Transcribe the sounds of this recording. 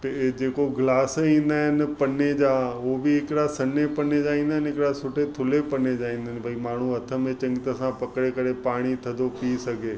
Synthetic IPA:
ped͡ʑeːkoɡlaːsĩːn̆d̪aːɦɪnɪpɐned͡ʑaːobiɪkɪɽasɐnepɐned͡ʒaːĩːnd̪aɦɪnɪkɪɽasʊʈʰet̪ʰʊlepɐned͡ʒaːĩːnd̪aɦɪ̃nbʱaimaːɳ̤uɐt̪ʰə̆mẽt͡ɕɐ̃ŋɡɪt̪əsãpɐkɽekəɾepaːɽ̃it̪ʰɐ̃nd̪opisɐɡʱeː

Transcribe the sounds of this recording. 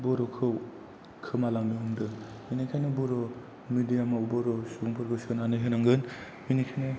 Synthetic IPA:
bɔɾɔkʰɯw | kʰɯmalaŋmiumdɯ | minikʰajnɯbɔɾɔ | midijamabɔɾɔsubuŋpʰɯɾbɯsɯnanɯɦɯnaŋɡɯn | minikʰajnɯ

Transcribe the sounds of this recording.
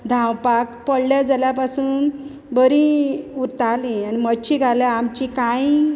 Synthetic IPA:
d̪ʱãwpakpəɽljad͡zaljapasuːn | bəɾĩuɾt̪alĩanimət͡ɕiɡʱaljaamt͡ɕikãji

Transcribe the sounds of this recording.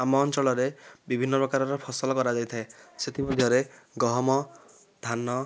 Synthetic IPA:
amɔːnt͡ʃɔɭɔɾebibʱinːɔpɔkaɾɔɾɔpʰɔsɔlɔkɔɾad͡ʒajt̪ʰaeset̪imɔd̪ʱjɔɾe | ɡɔɦɔmɔ | d̪ʱanːɔ

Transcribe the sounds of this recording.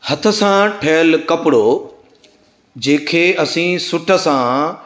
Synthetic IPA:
hɐt̪ʰə̆sãʈʰeːlkɐpɪɽo | d͡ʑẽːkʰeːɐsĩːsʊʈʰə̆sã

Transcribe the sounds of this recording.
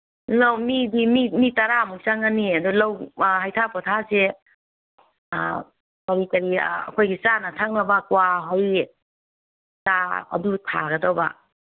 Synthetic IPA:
lɔmidimimitaɾamusaŋaniadulawɦajtʰapɔtʰase | kaɾikɐɾiɐ̰kʰojɡit͡ʃanɐtʰak̚nɐbakwaɦoj | taɐ̰dutʰa̰ɡɐdɔwba̰

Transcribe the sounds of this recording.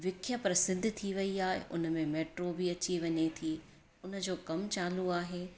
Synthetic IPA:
ʋɪkʰjəpɾɐsɪd̪ʱt̪ʰiʋɐiaːɦḛʔʊ̰nəmẽmeːʈɾoːbiɐt͡ɕiʋɐɲet̪ʰiː | ʊnə̆d͡ʑoːkɐmt͡ɕaːluaːɦeː

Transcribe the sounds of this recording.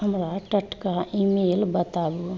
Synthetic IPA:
həmɾaʈəʈʰkaʔimeːlbət̪aːbu

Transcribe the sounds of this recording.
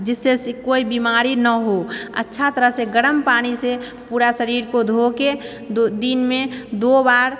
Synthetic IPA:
d͡ʒɪsːeskoːibimaːɾinəɦoə̰tːʃʰat̪əɾəɦseɡəɽəmpaːñise | puːɾasəɾiːɾkod̪ʱoke | d̪iːnmẽd̪obaːɾ

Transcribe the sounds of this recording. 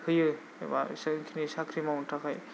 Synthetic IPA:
hʰɯjɯ | ba̰snkʰinisakʰɾimawtʰakʰaj

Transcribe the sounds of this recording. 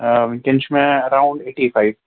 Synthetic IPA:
kẽnt͡ʃmẽɐɾaʊ̃ɳɖeːʈifʰaɪʋ

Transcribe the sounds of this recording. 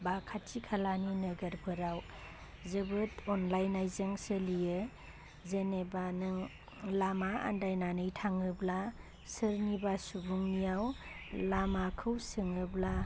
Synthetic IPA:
bakʰatʰikʰalaninɯɡəɾpʰɯɾaw | zɯbɯtɔnlajnajzɯŋsəlijɯ | zenebanɯŋ | lamaa̰ndajnanɯjtʰaŋɯbla | sɯɾnibasubuŋnijawlamakʰɯwsɯŋɯbla

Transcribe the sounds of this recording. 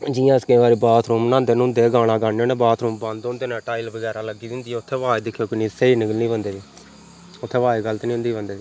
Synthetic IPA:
d͡ʒijãːskəĩːʋaːɾiːbaːt̪ʰɾuːmnãːnd̪eːnʊ̃nd̪eːɡãːɽ̃aːɡaːɳjõːneːbaːt̪ʰɾuːmbãnd̪oʊ̃nd̪eːnãːʈaːilbəɡɛːɾaːləɡiːd̪ɪnd̪iːɛːʊt̪ʰːeːʋaːeːd̪ɪkʰːjoːkɪniːseːiːnɪɡəlnĩːbənd̪eːʋiː | ʊt̪ʰːeːʋaːeːɡəlt̪nĩːʊ̃nd̪iːbənd̪eːiː

